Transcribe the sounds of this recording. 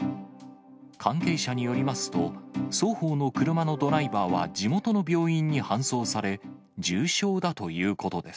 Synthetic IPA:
kʰãŋke̞ːɕaɲ̟ijo̞ɾʲimasɨ̥t̪o̞so̞ːho̞ːno̞kɯ̟ɾɯ̟mano̞d̪o̞ɾaibaːβa̰d͡ʑimo̞t̪o̞no̞bʲjo̞ːĩɲ̟ːihãɰ̃so̞ːsaɾe̞ | d͡ʑɨːɕo̞ːd̪at̪o̞jɯ̟ːko̞t̪o̞d̪e̞sɨ̥

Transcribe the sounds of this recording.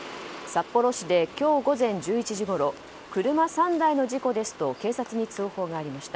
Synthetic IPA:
sapːo̞ɾo̞ɕid̪e̞kʲo̞ːɡo̞zẽ̞ɲ̟d͡ʑɨːit͡ɕiʑiɡo̞ɾo̞ | kɯ̟ɾɯ̟masãnd̪aino̞ʑiko̞d̪e̞sɨ̥t̪o̞ke̞ːsat͡sɨɲ̟it͡sɨːho̞ːɡaːɾʲimaɕi̥t̪a

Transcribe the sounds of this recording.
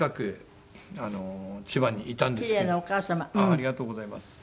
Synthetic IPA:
kakɯ̟ | anot͡ɕibãɲ̟ːiit̪ãnd̪iɾe̞ːnaokaːsamãaɾʲiɡat̪oːɡo̞zaimasɨ̥

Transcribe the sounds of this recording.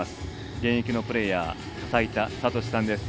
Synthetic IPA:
asɨ̥ | ɡẽ̞ɰ̃ekʲino̞pɯ̟ɾe̞jaː | sait̪asat̪o̞ɕi̥sãnd̪e̞sɨ̥

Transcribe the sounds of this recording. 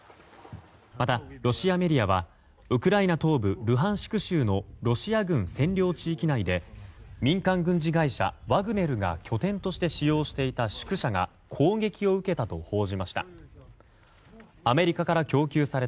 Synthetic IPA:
mat̪aɾo̞ɕiame̞ɾʲiaβa | ɯ̟kɯ̟ɾainat̪o̞ːbɯ̟ɾɯ̟ɦãɰ̃ɕi̥kɯ̟ɕɨːno̞ɾo̞ɕiaɡɯ̟̃ɰ̃sẽ̞nɾʲo̞ːt͡ɕiːkʲinaid̪e̞mʲĩŋkãŋɡɯ̟̃ɲ̟d͡ʑiɡaiɕa̰βaɡɯ̟ne̞ɾɯ̟ɡa̰kʲʰo̞t̪ẽ̞nt̪o̞ɕi̥t̪e̞ɕijo̞ːɕi̥t̪e̞it̪aɕɨ̥kɯ̟ɕaɡa̰ | kʰo̞ːɡe̞kʲio̞ɯ̟ke̞t̪at̪o̞ho̞ːʑimaɕi̥t̪a̰ | ame̞ɾʲikakaɾakʲo̞ːkʲɨːsaɾe̞t̪

